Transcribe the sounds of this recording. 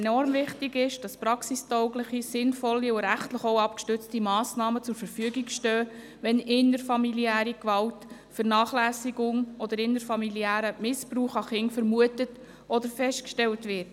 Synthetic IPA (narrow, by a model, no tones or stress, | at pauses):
nɔɾmvɪχtɪɡɪʃd̥ɑspɾɑksistɔʊɡləχisɪnfɔlːiʊɾæχtləχɔwɑpkʃtʉt͡stimɑːsnɑːmət͡sʊɾfəɾfyəɡikʃtœː | ʋɛnɪnəɾfɑmiliæːɾikʋɑlt | fəɾnɑːχlæːsiɡʊŋɔdəɾɪnəɾfɑmiliæːɾəmɪspɾuːχɑχɪnfəɾmuətət | ʔɔdəɾfɛʃtkʃtɛltʋɪɾt